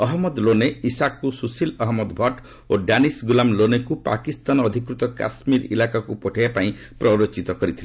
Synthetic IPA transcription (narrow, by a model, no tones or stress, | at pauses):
ɔɦɔmɔd̪loneisakːususilɔɦmɔd̪bʱɔʈ | oɖanisɡulamlonekupa̰kist̪anɔd̪ʱikɾut̪ɔka̰smiɾḭlakakupɔʈʰajapaĩ | pɾɔɾot͡ʃit̪ɔkɔɾit̪ʰile